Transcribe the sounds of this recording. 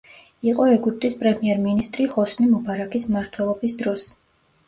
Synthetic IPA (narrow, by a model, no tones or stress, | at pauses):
iqʼɔɛɡuɾt̪ʼispʼɾɛmiɛɾminist̪ʼɾihɔsnimɔbaɾakʰismaɾt̪ʰwɛlˠɔbisd̪ɾɔs